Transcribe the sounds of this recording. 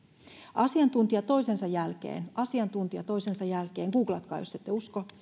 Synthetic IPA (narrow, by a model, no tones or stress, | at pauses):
ɑsiɑnt̪unt̪iɑt̪o̞isensɑjælkḛːnʔɑsiɑnt̪unt̪iɑt̪o̞isensɑjælkeːŋɡ̥uːklɑt̪̚kɑ̰ːjosːet̪ːeusko